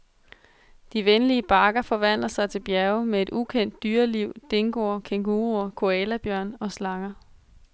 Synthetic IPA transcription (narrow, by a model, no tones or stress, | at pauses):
d̥iʋenliəb̥ɑ̈ːɡ̥ɐfɒ̽ʋæn̰lɐsɑ̈ɪt͡sʰe̝lb̥jæɐʊmee̝d̥ukʰen̰d̥ːyːɐliʊ̰d̥e̝ŋɡ̥o̝ɐkʰeŋɡ̥uːʁuɐkʰo̝ɛlæb̥jœɐ̰nɒ̽slɑ̈ŋɐ